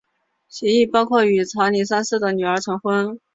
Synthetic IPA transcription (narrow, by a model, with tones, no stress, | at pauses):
ɕjɛ˧˥i˥˩pɑ˥ʊkʰwɔ˥˩y˧˥t͡sʰa˧˥ʊni˧˥sa˥nsɹ̩˥˩d̪ə˩ny˨˩ə˞˧˥ʈ͡ʂʰɤ˧˥ŋxwə˥n